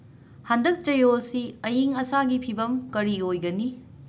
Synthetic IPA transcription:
handɐk̚t͡ʃɐjosiɐjiŋɐsaɡipʰibɐmkɐɾiojɡɐni

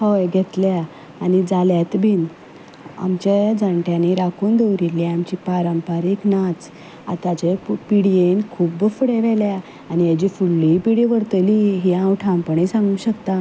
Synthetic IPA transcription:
hɔjɡʱɛt̪lja | anid͡zaljat̪bʱin | a̰mt͡ɕed͡zəɳʈjaniɾakʰuːnd̪ewɾilːiamt͡ɕipaɾəmpaɾiːknat͡s | a̰t̪at͡ɕepiɽienkʰuːbfəɽeʋɛlja | anijad͡ʑifuɽːipiɽiʋəɾt̪əliɦiãwʈʰãmpəɳesãŋɡũːɕəkt̪a

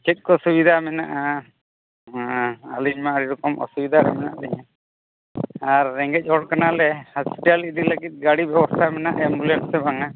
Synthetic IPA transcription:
t͡ʃɛt̪̚kɔsubid̪ʱamɛna̰ʔa | a̰liɲmaaɽiɾɔkɔmɔ̰subid̪ʱaɾɛ̰mɛna̰ʔd̪ɛɲa | aɾːɛŋɡɛc̚ˀɔɽkanalɛhɔspi̥ʈaldiləɡit̪̚ɡaɽibjɛbɔst̪ʰamɛna̰ʔɛmbulɛɳsɛbaŋa

